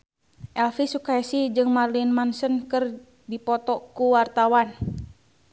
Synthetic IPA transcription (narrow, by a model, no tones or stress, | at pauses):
ʔɛlfisukaɛsid͡ʒɨŋmarlinmansənkɨr | dipɔt̪ɔkuwart̪awan